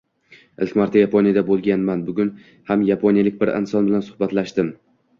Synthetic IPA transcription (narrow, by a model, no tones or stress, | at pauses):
ɪlkʲmaɾt̪ʰajapʰonijad̪abolˠɡʲanmanbʊɡʲʊn | hamjapʰonijalɪk̚ʲbɪɾɪ̰nsɒnbɪlansʊ̥hbat̪laʃt̪ɪm